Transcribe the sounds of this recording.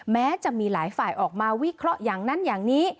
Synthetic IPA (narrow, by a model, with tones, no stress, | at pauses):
mɛː˦˥t͡ɕa˨˩ʔmiː˧laː˩˦jfaː˨˩jʔɔː˨˩k̚maː˧wi˦˥kʰɾɔ˦˥ʔjaː˨˩ŋna˦˥˨njaː˨˩ŋniː˦˥